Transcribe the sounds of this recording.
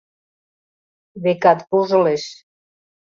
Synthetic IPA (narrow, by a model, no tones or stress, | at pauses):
βekɑt̪puʒəleʃ